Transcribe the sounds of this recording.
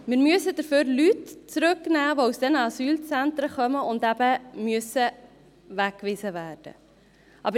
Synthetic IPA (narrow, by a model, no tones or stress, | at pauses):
mɪːɾmyəsəd̥əføɾlytt͡sɾɵknæːvousd̥ɛnɑsyːlt͡sæntɾəχœməʊndæbəmyəsə | vækːvɪzəvæːrd̥ə̰ | ʔɑbə